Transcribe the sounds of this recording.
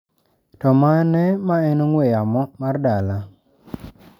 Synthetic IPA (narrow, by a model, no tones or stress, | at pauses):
tɔmanɛmaɛnoŋwejamɔmardala